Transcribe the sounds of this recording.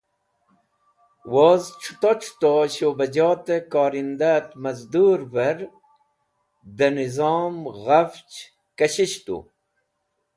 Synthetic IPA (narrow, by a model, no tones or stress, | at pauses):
woːzʈ͡ʂʰu̥t̪ot͡ʃʰt̪oɕoːbɐd͡ʑɑːt̪ekaːɾind̪at̪mɐzd̪uɾbɐɾ | d̪ənizɑːmɣaft͡ʃ | kɐɕiɕt̪ṵ